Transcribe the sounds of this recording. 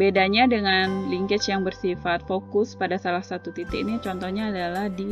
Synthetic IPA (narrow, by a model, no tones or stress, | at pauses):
bedaɲadəŋanliŋkɪt͡ʃjaŋbərsifat̪̚fokʊspadasalahsat̪ut̪it̪ɪinit͡ʃɔnt̪ɔhɲaːdalahdi